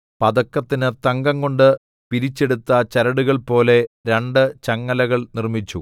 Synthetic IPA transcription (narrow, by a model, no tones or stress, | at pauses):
pɐd̪ɐkːɐt̪ːinɨt̪ɐŋɡɐŋkoɳɖɨ | piɾit͡ɕːe̞ɽut̪ːɐt͡ɕɐɾɐɽuɣɐɭpo̞ːle̞ɾeɳɖɨt͡ɕɐŋːɐlɐɣɐɭnirmit͡ɕːu